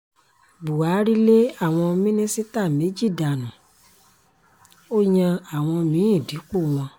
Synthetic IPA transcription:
bu˨a˨˦ɾi˦le˦a˦˨w̃ɔ̃˧mĩ˦nĩ˦si˦ta˦˨me˨˦d͡ʒi˦˨da˨nũ˨ | o˦ɲã˧a˨w̃ɔ̃˧mĩ˨˦ĩ˦˨di˨˦k͡po˦˨w̃ɔ̃˧

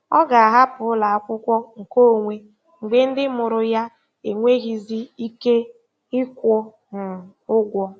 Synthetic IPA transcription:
ɔ˦ɡa˨a˨ɦa˦pʊ˨˦la˨a˦kʷʊ˦kʷɔ˦ŋ̩˨ko˦o˨ŋʷe˦ | ŋ͡m̩˨ɡ͡be˦n̩˦dɪ˦mʊ˨ɾʊ˨ja˦ | e˨ŋʷe˦ɣi˨zi˦i˦ke˦ | ɪ˦kʷɔ˦ | nʊ˨ | ʊ˦ɡʷɔ˦

